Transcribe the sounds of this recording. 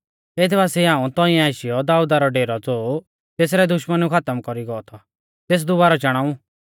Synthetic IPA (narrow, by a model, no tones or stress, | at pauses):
eːt̪ʰbaːsiɦãːũt̪ɔ̃ĩɛ̃aːʃɪjɔd̪aːuːd̪aɾɔɖeːɾɔd͡zoː | t̪eːs̬ɾɛd̪ʊʃmənukʰat̪əmkɔɾiɡɔɔt̪ʰɔ | t̪eːs̬d̪ʊbaːɾɔt͡ʃɐɽ̃aːũ